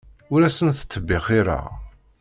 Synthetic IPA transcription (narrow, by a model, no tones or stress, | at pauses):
ʊɾæsənθə̥t͡sːəbːɪʁiɾa̰